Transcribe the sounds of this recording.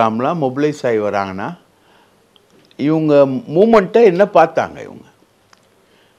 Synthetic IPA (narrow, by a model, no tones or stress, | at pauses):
aːmlãːmɔbɪlɐɪsaːɪʋɐɾa̰ːŋɡɐnːaː | ɪʋɐŋɡɐmuːmɐɳʈːɐɛnːɐpaːɾt̪a̰ːŋɡɐ̰ɪ̰ʋɐ̰ŋɡɐ